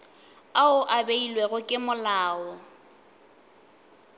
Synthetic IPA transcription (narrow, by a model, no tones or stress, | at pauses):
aʊʔabeilweɣʊkʼɪmʊlaːɔ